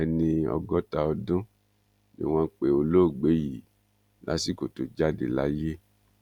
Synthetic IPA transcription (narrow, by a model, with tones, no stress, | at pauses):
ɛ˧nĩ˧ɔ̰˧ɡɔ˦ta˧ɔ˧dũ˦ | nḭ˨˦w̃ɔ̃˧˨k͡pe˨o˧lo˦˨ɡ͡be˨˦ji˨ | la̰˦si˦˨ko˨to˨d͡ʒa˦dḛ˨la˨˦je˦